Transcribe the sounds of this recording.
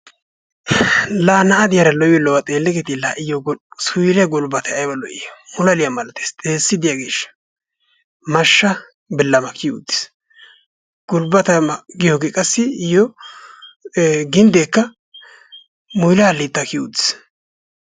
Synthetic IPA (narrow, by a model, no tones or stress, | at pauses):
laːnɐɐd̪ɪjɐɾɐlɔjɛlɔwɐt̪ʼeːlːɛkɛt̪ɪlaʔɪjɔsʊjlɛɡʊlbɐt̪ɛɐjbɐlɔʔɪ̰jɔʊlɐlɪjɐmɐlɐt̪e̥ːst̪ʼeːsːɪd̪ɪjaɡeːʃːɐ̥ | mɐʃːɐ | bɪlːɐmɐkɪjʊ̰d̪ːɪ̥s | ɡ̥ʊlbɐt̪ɐɡɪjoɡeːkʼɐsːɪɪjɔ | ɡɪnd̪eːkːɐ | mʊjlaɐlːɪt̪ːɐkɪjʊd̪ːɪ̥s